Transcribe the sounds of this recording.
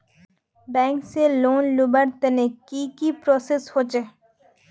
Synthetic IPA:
bɛ̃ːŋkseloːnlubəɾt̪enekikipɾoseshot͡ʃe

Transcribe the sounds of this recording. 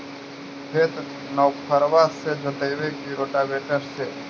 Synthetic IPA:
pʰet̪ | nəwpʰəɾʋased͡ʒʱoʈejʋekiɾoːʈabeːʈəɾse

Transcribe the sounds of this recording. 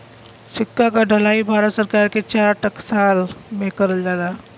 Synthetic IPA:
sɪkːakaɖʱəlaːibʱaːɾət̪səɾkaːɾket͡ʃaːɾʈəksaːlmẽkəɾəld͡ʒalaː

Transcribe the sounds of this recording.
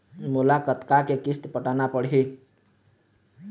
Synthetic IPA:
mulakət̪kakekist̪pəʈanapəɽɦi

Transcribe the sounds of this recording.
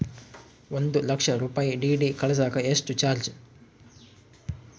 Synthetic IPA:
ʋond̪ulɐkʂɐɾuːpaːjiɖiːɖiːkɐɭɐs̬aːkɐesʈut͡ʃaːɾd͡ʒ

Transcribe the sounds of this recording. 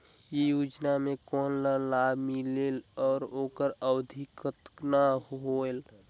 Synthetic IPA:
jejuːd͡ʒnamẽkɔːnləlabʱmilelɔːɾoːkəɾəwəd̪ʱikət̪naɦoel

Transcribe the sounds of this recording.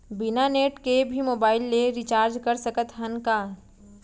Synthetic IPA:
bɪnaneːʈkebʱimoːbaːɪlːeɾɪt͡ʃaːɾd͡ʒkɐɾsəkət̪ɦɐnkaː

